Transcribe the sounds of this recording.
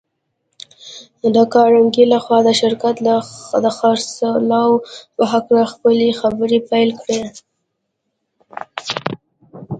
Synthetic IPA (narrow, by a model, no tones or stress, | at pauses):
əd̪əkɑɾaŋɡilaxwɑd̪əʃɪɾkat̪lad̪əxɑɾslɑwpəɦaklaxpəlexabəɾipajlkɽe